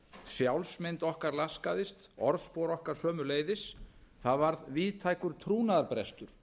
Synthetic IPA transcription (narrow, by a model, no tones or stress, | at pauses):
sjawlsmɪnt̪ɔhkaɾlaskaðɪst̪ɔɾðspowɾɔhkaɾ̥sœːmʏleːjðɪsθaðvaɾðviːðt̪ʰajkʏɾ̥t̪ʰɾuːnaðaɾpɾɛ̰st̪ʏɾ̥